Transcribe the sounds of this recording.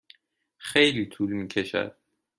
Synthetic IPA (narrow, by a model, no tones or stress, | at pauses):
xejlit̪ʰuːlmiːkʰeʃæ̰d̪̥̚